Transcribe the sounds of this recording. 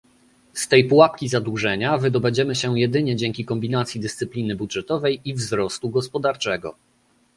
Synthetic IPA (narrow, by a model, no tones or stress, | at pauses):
st̪ɛjpuwapkʲizad̪wuʐɛɲavɘd̪ɔbɛd͡ʑɛmɘɕɛjɛd̪ɘɲɛd͡ʑɛŋkʲikɔmbʲinat̪sʲjid̪ɘst̪sɘplʲinɘbudʐɛt̪ɔvɛjivzɾɔst̪uɡɔspɔd̪aɾt͡ʂɛɡɔ̰